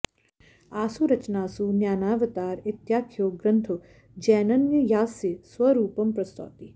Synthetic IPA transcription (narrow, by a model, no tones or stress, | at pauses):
aːsuɾɐt͡ʃnaːsunjaːnaːʋət̪aːɾɪt̪jaːkʰjoːɡɾənt̪ʰo | d͡ʒɛːnɐnjəjaːsesʋəɾuːpɐmpɾɐst̪o̰ːt̪i